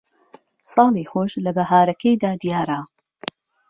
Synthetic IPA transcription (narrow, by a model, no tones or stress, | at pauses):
sɑːlˠiːxoʃlɐbɐhaːɾɐkʰɐjd̪aːd̪ijaːɾa